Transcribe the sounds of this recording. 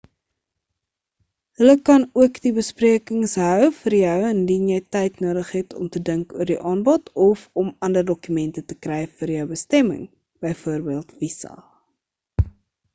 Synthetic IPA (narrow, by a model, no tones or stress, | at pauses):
ɦələkɐnuəkdibəspriəkəŋsɦœwfərjœwəndinjɛjtɛjtnuːdəχɦɛtʰɔ̰mtədəŋkuərdiʔɑːnbɔtʰɔfɔmɐndərdɔkymɛntətəkrɛjfərjœwbəstɛmə̰ŋ | b̥əjfuərbiəlˠtvisɑ̰